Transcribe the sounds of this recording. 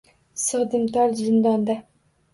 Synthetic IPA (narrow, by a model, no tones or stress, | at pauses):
sɨʁd̪ɨmt̪ʰɒɾzɪnd̪ɒnd̪a